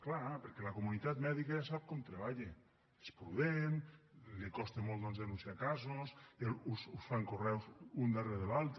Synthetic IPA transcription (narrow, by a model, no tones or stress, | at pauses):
klapeɾkɛləkomunit̪at̪mɛðikaʒasap̚kɔmt̪ɾeβaʎe | espɾuðenlikɔst̪emɔlt̪ɔnzðenunsiakazoselususfaŋkorɛwzund̪areðelalˠt̪